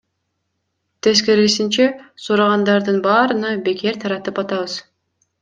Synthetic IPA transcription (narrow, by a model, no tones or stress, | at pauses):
t̪ʰe̞zkeɾɡisint͡ʃesuɾɑʁɑnd̪ɑɾd̪ɯnbɑːɾɯnɯbe̞ke̞ɾt̪ʰɑɾɑt̪ɯpɑt̪ɑβɯz̥